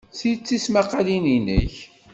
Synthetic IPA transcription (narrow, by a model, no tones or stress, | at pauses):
sit͡sːismæqalininə̰ç